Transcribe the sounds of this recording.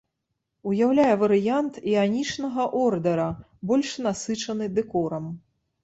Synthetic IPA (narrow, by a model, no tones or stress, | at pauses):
ujawlʲajɛvɐɾɨjant̪ianʲit͡ʂnɐɣɐʔɔrd̪ɐɾɐ | bɔlʲʂnasɨt͡ʂɐnɨd̪ɛkɔɾɐm